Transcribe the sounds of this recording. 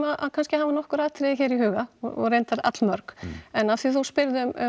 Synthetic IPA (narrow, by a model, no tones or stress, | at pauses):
maðʔa̰ðkʰanscɪhaːvanɔhkʏɾaːðt̪ʰɾɪçɛːɾiɦʏːɣaɔɔ̰ɾejnt̪aɾa̰t̪lmœɾkɛnafθiθuwspɪɾðʏm